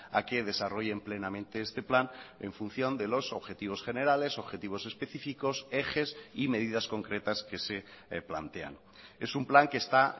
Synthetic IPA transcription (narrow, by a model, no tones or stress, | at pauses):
a̰ke̞ð̞e̞saro̞ʝe̞mple̞namẽ̞nt̪eest̪e̞planeɱfun̟θjo̞nd̪e̞lo̞so̞βxe̞t̪iβ̞o̞sχe̞neɾale̞so̞βxe̞t̪iβ̞o̞se̞spe̞θifiko̞sexe̞sime̞ðið̞asko̞ŋkɾe̞t̪aske̞se̞pla̰nt̪e̞a̰n | e̞sumplaŋke̞ːst̪a